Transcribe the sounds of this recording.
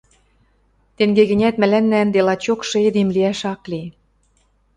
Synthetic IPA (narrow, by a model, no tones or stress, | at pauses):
t̪eŋɡeɣɘ̆nʲæt̪mæ̆lænːænd̪elɑt͡ɕokʃɤ̆ed̪emliæʃɑkli